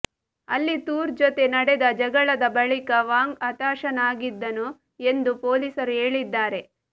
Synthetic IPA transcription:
ɐlːit̪uːɾd͡ʒot̪e̞nɐɽed̪ɐd͡ʒɐɡɐɭɐd̪ɐbɐɭikɐʋaːŋɡɐt̪aːʃɐnaːɡid̪ːɐnu | e̞nd̪upoːliːsɐɾuɦe̞ːɭid̪ːaːɾe̞

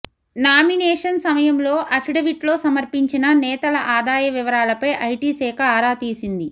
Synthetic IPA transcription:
naːminɛːʂɐnsɐmɐjɐmlo̞ːʔɐpʰiɖɐʋiʈlo̞ːsɐmɐɾpiɲt͡ʃinɐnɛːt̪ɐlɐʔaːd̪aːjɐʋiʋɐɾaːlɐpɐjʔɐjʈiːsɛːkʰɐaːɾaːt̪iːsind̪i

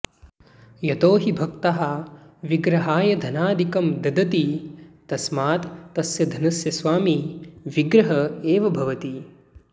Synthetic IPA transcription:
jɐt̪oːɦibʱɐk̚t̪ɐɦɐʋiɡɾɐɦaːjɐd̪ʱɐnaːd̪ʱikɐmd̪ɐd̪ɐt̪it̪ɐsmaːt̪ːɐsjɐd̪ʱɐnɐsjɐsʋaːmiʋiɡɾɐɦɐeːʋɐbʱɐʋɐt̪i

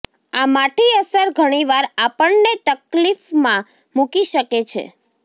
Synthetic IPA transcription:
amaʈʰiəsəɾɡʱəɽ̃iʋaɾapəɳnet̪əklifmã | mukiʃəket͡ʃʰḛ

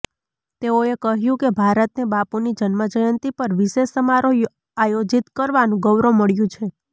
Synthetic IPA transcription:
t̪eoekəɦjũkebʱaɾət̪nebapunid͡ʒənməd͡ʒəjənt̪ipəɾʋɪʃeʃːəmaɾo | ajod͡ʒit̪kəɾʋanũɡəʋɾoməɭjũt͡ʃʰe

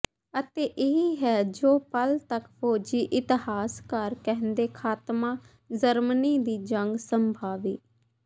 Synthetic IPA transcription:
ət̪eːʔɪɦiɦɛːd͡ʒoːpəlt̪əkpʰoːd͡ʒiːʔɪt̪ɪhaːskəɾkɛɦnd̪eːkʰaːt̪mãː | d͡ʒəɾməniːd̪iːd͡ʒəŋɡsəmbʱaːʋḭː

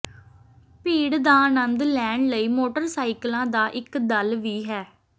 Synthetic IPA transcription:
piːɽd̪aːnənd̪lɛːɳləiːmoːʈəɾsaːɪklãːd̪aːʔɪkd̪əlʋiːɦɛː

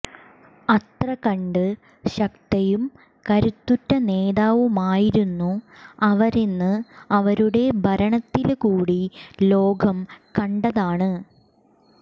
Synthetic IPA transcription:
ɐt̪rɐkɐɳɖɨ | ɕɐkt̪ɐjum | kɐɾut̪ːutːɐneːðaːʋumaːjiɾunːuɐʋɐɾinːɨɐʋɐɾuɽe̞bʱɐɾɐɳɐt̪ːilkuːɽilo̞ːɡʱɐmkɐɳɖɐðaːɳɨ

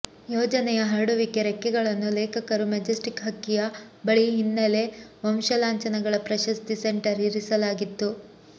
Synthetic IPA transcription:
joːd͡ʒɐnɛjɐɦɐɾɽuʋikeɾɛkːɛɡɐɭɐnːuleːkʰɐkɐɾumɐd͡ʒɐsʈikɦɐkːijɐbɐɭiɦinːɐle̞ʋɐmʃɐlaːɲt͡ʃɐnɐɡɐɭɐpɾɐʃɐst̪iseɳʈɐɾiɾisɐlaːɡit̪ːu

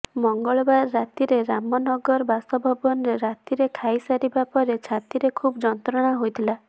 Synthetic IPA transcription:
mɔŋɡɔɭbaɾːat̪iɾeɾamɔnɔɡɔɾbast̪ɔbʱɔbɔnɔɾeɾat̪iɾekʰajsaɾibapɔɾet͡ʃʰat̪iɾekʰubɔd͡ʒɔnt̪ɾɔɽ̃aɦojt̪ʰila

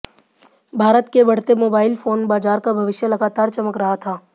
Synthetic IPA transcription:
bʱaːɾət̪kebɐɽ̤t̪emoːbaːɪlfoːnbaːzaːɾkabʱɐʋɪʃjəlɐɡaːt̪aːɾt͡ʃɐməkɾɐɦat̪ʰaː

